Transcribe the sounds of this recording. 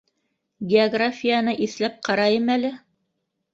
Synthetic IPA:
ɡʲeoɡrafʲijanɤʔiθlæp̚qɑɾɑjɤmælɘ

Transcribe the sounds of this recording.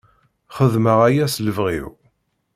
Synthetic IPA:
χəðməʁæjæsləvʁḭw

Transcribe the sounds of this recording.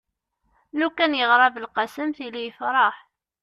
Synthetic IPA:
lukːænjəʁɾˤɑvəlqɑsəmθilijəfɾˤɑħ

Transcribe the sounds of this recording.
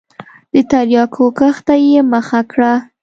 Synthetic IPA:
d̪̥ət̪aɾjɑkʰokaxt̪ajeməxakɽa

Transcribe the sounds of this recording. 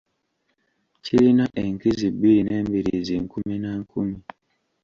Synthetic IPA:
ciɾinaʔeŋkizibiɾineːmbiɾiiziŋkuminaŋkʰumi

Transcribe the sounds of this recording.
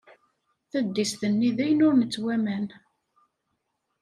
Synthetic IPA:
θæd̪ːisθənːiðæjənʊɾnət͡sːwæmæn

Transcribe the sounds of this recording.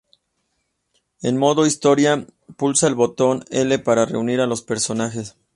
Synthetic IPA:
ḛnmo̞ðo̞ist̪o̞ɾjapulsaelβo̞t̪o̞ne̞le̞paɾare̞̰uniɾalo̞spe̞ɾso̞naxe̞s

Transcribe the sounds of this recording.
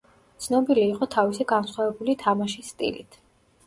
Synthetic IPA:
t̪sʰnɔbiliːqʼɔt̪ʰavisiɡansχwavɛbulit̪ʰamaʃisːt̪ʼḭlḭt̪ʰ

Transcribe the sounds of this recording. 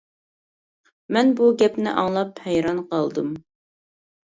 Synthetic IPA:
mɛnbuɡʲɛpnɪ̰ʔɑŋlˠɑphɛjɾɑnqɑlˠd̪ɨm

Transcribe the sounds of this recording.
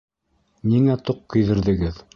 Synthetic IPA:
niŋæt̪oq̚kɵ̆jðɘ̆ɾðɘ̆ɡɘð

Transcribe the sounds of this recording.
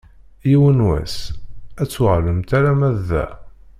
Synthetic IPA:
jiwənwæ̰sæt͡sːwəʁləmt̪æɾæmæðːæ̰

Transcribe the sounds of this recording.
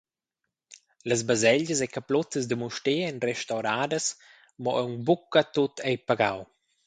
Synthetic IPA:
ləzbazɛʎəsɛkaplɔt̪əzdəmuʃteɛnrɛʃtawɾaːdəs | mɔ̰ʔɛwŋbukːat̪ːot̪ɛjpaɡaw

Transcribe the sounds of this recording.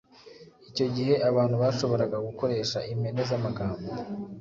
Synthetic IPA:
ico̞ɟihe̞ʔaβaːn̥huβaʃo̞βo̞ɾaɡaɡuko̞ɾe̞ːʃaʔimenezamaɡaːmbo

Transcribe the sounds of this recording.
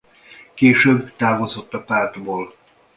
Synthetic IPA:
keːʃøːbːt̪aːvozo̞t̪ːɒpaːrd̪boːl

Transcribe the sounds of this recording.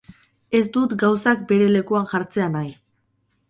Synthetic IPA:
e̞zd̪ut̪ɡawsak̚be̞ɾe̞le̞kuanʝaɾt͡se̞anaj

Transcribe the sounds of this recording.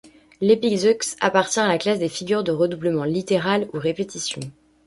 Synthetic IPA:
lepikzksa̰paʁt̪jɛ̃alaklasd̪efiɡʲyʁd̪əʁəd̪ubləmɑ̃lit̪eʁaluʁepet̪isjɔ̃

